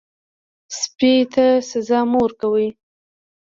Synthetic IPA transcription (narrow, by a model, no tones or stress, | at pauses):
spit̪asazɑmoɾkawəj